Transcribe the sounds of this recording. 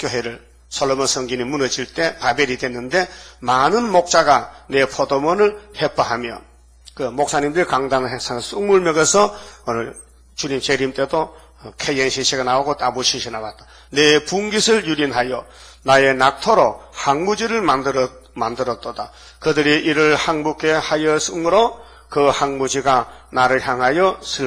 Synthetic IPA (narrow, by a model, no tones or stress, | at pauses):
kjoɦeɾɯɭ | sʰʌlomʌsʰʌŋɡinimunʌd͡ʑiɭt͈e̞pabe̞ɾidwenːɯnde̞manɯnmok̚t͡ɕ͈aɡane̞pʰodomʌnɯɭhep͈ʰʌɦamjʌ̰ | kɯmok̚s͈ʰaɲimdɯɾikaŋdanɯɦesʰaŋs͈ʰuŋmuɭmjʌɡesʰʌonɯɭ | t͡ɕuɲimt͡ɕeɾimt͈e̞do | kʰejenɕʰiɕʰiɡanaoɡotabuɕʰiɕʰinawat̚t͈ḁ | nepuŋɡisʰɯɭjuɾinɦajʌ | naje̞nak̚tʰoɾohaŋmud͡ʑiɾɯɭmadɯmandɯɾʌt̚t͈ʌda | kɯdɯɾiʔiɾɯɭhaŋmuk͈ehajʌsʰumɯɾo | kɯhanmud͡ʑiɡanaɾɯɭçjaŋɦajʌsʰɯɭ